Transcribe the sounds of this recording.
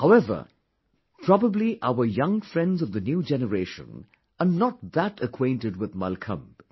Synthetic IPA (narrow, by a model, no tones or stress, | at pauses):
haʊɛvə̰˞ | pʰɹ̥ɔbəbliʔa̰ʊə˞jʌ̃ŋfɹɛ̃ndzʌvðɨnjud͡ʒɛnəɹeɪʃə̰̃n | ʔənət̪̚ðətəkʰw̥ẽɪ̃ntɨdwɪðmʌ̰lkʰə̰̃mb̥